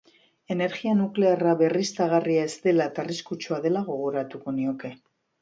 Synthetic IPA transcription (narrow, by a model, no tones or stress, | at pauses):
e̞ne̞ɾɣianukle̞araβe̞rist̪aɣ̞ariae̞zt̪e̞lat̪ariskut͡ʃuaðe̞laɣo̞ɣ̞o̞ɾat̪uko̞nio̞ke̞